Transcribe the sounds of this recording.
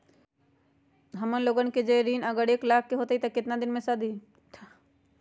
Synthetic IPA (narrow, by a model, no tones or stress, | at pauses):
ɦɐmənloːɡənked͡ʒeɾiːnɐɡəɾeːklaːkʰːeɦoːt̪eɦit̪ɐkɪt̪nad̪ɪnmẽsɐd̪ʱi